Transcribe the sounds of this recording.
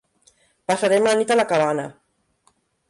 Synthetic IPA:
pasaɾɛmlanit̪alakaβ̞anə

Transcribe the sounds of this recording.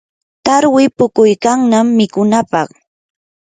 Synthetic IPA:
t̪aɾwɪpʊkʊjkaŋnamːɪkʊnapɑχ

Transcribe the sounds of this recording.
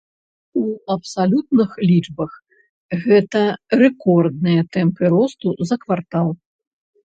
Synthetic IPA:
uɐpsalʲut̪̚nɨxlʲid͡ʐbɐx | ɣɛt̪ɐrɛkɔrd̪̚nɨjɐt̪ɛmpɨɾɔst̪uzɐkvart̪alˠ

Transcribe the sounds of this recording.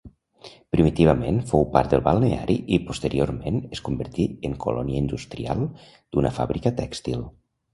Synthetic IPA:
pɾimit̪iβəmenfowpa̰ɾt̪d̪əlˠβalˠnea̰ɾʔiʔipust̪əɾioɾmenəskumbəɾt̪iəŋkolɔniəind̪ust̪ɾia̰lˠ | d̪̥unəfa̰βɾikət̪ɛkst̪ilˠ

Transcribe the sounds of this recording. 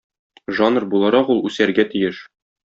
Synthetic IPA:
ʒɑnɤrbulˠɑɾɑqulˠʉsæɾɡæt̪ijɘʃ

